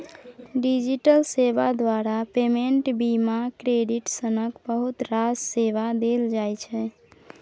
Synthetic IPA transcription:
ɖid͡ʒiʈəlseʋad̪waɾapemeɳʈbimakɾeɖiʈsənəkbəɦut̪ɾad͡ʒseʋad̪eld͡ʒajt͡ʃʰɛ

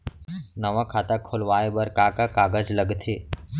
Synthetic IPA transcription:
nəʋakʰaːt̪akʰolʋaːebəɾkaːkakaːɡəd͡ʒləɡt̪ʰeː

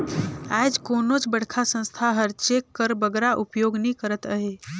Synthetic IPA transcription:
ajd͡ʒkonot͡ʃbəɽ̤kʰasə̃nst̪ʰaɦəɾt͡ʃekːəɾbəɡɾaʔupjoɡnikəɾət̪əɦe

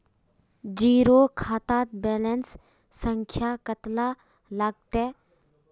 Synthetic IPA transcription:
d͡ʒiːɾokʰaːt̪aːt̪̚beːlensː | əŋkʰjakət̪la | laɡ̚t̪e

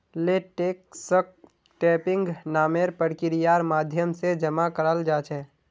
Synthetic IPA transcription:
leːʈeːksək̚ | ʈeːpɪ̃ŋɡnaːmeːɾpəɽkɪɾijaːɾmaːd̪ʱjəmsed͡ʒəmakəɾəld͡ʒaːt͡ʃɛ̃ː

